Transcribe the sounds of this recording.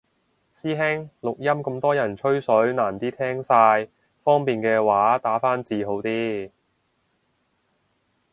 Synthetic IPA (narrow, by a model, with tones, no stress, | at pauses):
siː˥ɦɛ˥ŋlʊ˨k̚jɐ˥mkɐ˧mt̪ɔː˥jɐ˨˩nt͡ʃʰɵ˥ɥsɵ˨˥ɥnaː˨˩nt̪iː˥t̪ʰɛː˥ŋsaː˧j | fɔː˥ŋpiː˨nkɛː˧waː˨˥t̪aː˨˥faː˥nt͡siː˨˧ɦo˨˥wt̪iː˥